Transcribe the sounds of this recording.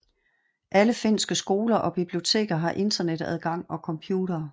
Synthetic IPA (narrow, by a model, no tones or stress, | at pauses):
ʔæləfe̝n̰sɡ̥əsɡ̥o̝ːlɐʔɒ̽b̥ib̥lio̝t͡sʰe̝̰ːɡ̥ɐɦɑ̈ʔe̝nd̥ɐned̥æð̞ˠɡ̥ɑ̈ŋ̰ɒ̽kʰɒ̽mpʰjuːɾ̥ɐː